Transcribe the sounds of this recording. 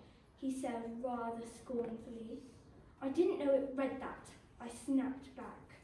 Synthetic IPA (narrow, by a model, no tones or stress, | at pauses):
hisɛd̚ɹæðə˞skɔɹnfəl̩ˠi | aɪdɪdⁿn̩noʊɪʔ̚ɹɛd̪̚ðə̰t | aɪsnæp̚t̚b̥æk